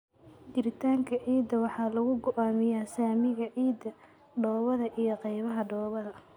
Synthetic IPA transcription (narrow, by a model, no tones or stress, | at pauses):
d͡ʒɪɾɪt̪ʰaːŋkʰɐʕiːd̪ɐwɑħɑːlɐɣʊɡɔʔaːmɪjaːsaːmɪɣɐʕiːd̪ɐ | ɖɔːβɐðɐʔijɔqɛjβɐɦɐɖɔːβɐðɐ